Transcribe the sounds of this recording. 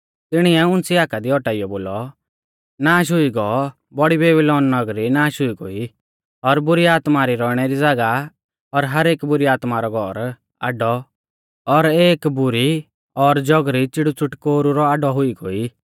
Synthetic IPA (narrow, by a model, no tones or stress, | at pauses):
t̪ɪɽ̃iɛʊnt͡siaːkad̪iɔʈaijɔboːlɔ | naːʃ̬ɦʊiɡɔɔ | bɔɽibeːbilɔːnːɔɡɾinaːʃɦʊiɡoi | ɔɾbʊɾiaːt̪maɾiɾɔːɽ̃ɛɾid͡zaɡa | ɔɾɦɐɾeːkbʊɾiaːt̪maɾɔɡʱɔɾ | a̰ːɖɔ | ɔɾeːkbʊɾi | ɔɾd͡ʒɔɡɾit͡sɪɽut͡sʰʊʈkoːɾuɾɔaɖɔɦʊiɡo̰i